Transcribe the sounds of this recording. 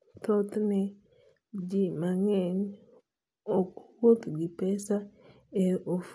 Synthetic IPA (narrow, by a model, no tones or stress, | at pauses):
t̪ot̪nɛ | d͡ʒimaŋɛn | ɔkwot̪ɡipɛsa | eof